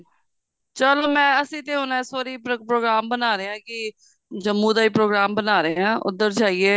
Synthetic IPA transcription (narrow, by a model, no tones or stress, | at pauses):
t͡ʃəloːmɛ̃ːəsĩːt̪eːɦʊnɛːsoːɾiːppɾoːɡɾaːmbənaːɾeːãːkɪ | d͡ʒəmːũːd̪aːiːpɾoːɡɾaːmbənaːɾeãːʔʊ̰d̪əɾd͡ʒaːiːeː